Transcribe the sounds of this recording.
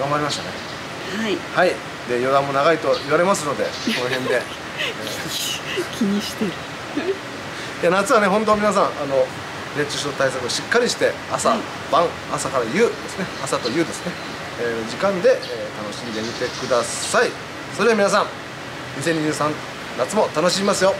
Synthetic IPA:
ɡamaɾʲimaɕt̪a̰ne̞̰ | haihai | d̪e̞jo̞d̪ãmːo̞naɡait̪o̞iβaɾe̞masɨno̞d̪e̞̰ko̞no̞ɦẽ̞nd̪e̞ː | kʲiɲ̟iɕi̥t̪eɾɯ̟ | janat͡sɨβane̞ɦõnt̪o̞mʲinas̬ãŋ̃ano̞ | ɾe̞t͡ɕiɕɨot̪aisakɯ̟oɕikːaɾʲiɕi̥t̪e̞ | asa | b̥ãŋ | asakaɾajɯːd̪esɨne̞asat̪o̞jɯːd̪e̞sɨ̥ne̞ | eːd͡ʑikãnd̪e̞ːt̪ano̞ɕĩnd̪e̞mʲit̪e̞kɯ̟d̪asai | so̞ɾed̪amʲinasãŋ | ɲ̟iseɲ̟ːiʑɨːsãn | nat͡sɨmo̞t̪ano̞ɕimʲimasɨjo̞

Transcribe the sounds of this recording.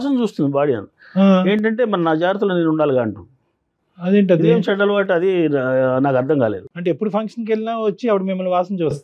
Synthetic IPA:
aːs̬ɐmt͡ʃuːst̪und̪ibaːɽiɐ̰ni | ae̞ːɳʈɐɳʈe̞ːmɐnɐnaːd͡ʒaːɾt̪ulːneːnuɳɖaːliɡaːɐɳʈu | ɐd̪eːɳʈ̬ɐdieːmt͡ʃɛɽːɐlʋaːʈ̬ɐd̪inaːkɐɾd̪ʱɐŋkaːleːd̪uɐɳʈeepːuɽupʰɐŋkʂɐnk̬elinaːɐt͡ʃːiɐʋɐɽumimːɐluʋaːsɐmt͡ʃuːst̪

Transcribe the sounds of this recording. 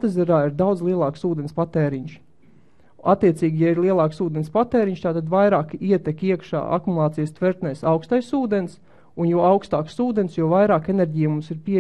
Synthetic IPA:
t̪ɛzɛɾaːiɾd̪awd̪zlˠiɛlˠɑːksuːd̪ɛnspat̪eːɾiɲʃ | at̪ːiɛt̪siːɡʲijaiɾlˠiɛlˠɑːksuːd̪enʲspat̪eːɾiɲʃt̪aːt̪ad̪vajɾaːkiɛt̪ɛkʲiɛkʃa̰ːa̰kumulˠɑːt̪ijst̪vɛɾt̪nɛjsawkst̪ajsuːd̪ens | unjuɔawkst̪aːksuːd̪ensjuɔvajɾaːkenɛɾʲɟijmumsiɾpi

